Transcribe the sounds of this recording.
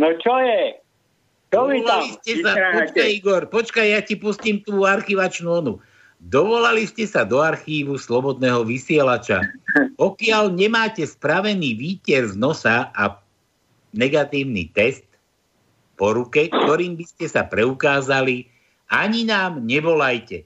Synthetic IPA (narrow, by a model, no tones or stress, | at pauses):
nɔt͡ʃɔjɛ | ɔɔlaliscɛsaɔt͡ʃkajiɡɔɾpɔt͡ʃkajjacipusciːmt̪uːaɾxiʋat͡ʃnuɔnu | d̪ɔʋɔlaliscɛsad̪ɔaɾxiːʋuslɔbɔd̪̚nɛːɦɔʋisɪɛlat͡ʃa̰ɔkɪalɲɛmaːcɛspɾaʋɛniːʋiːcɛɾznɔsaa | nɛɡat̪iːʊnḭt̪ɛst̪ | pɔɾukɛkt̪ɔɾiːmbiscɛsapɾɛukaːzali | aɲinaːmɲɛbɔlajcɛ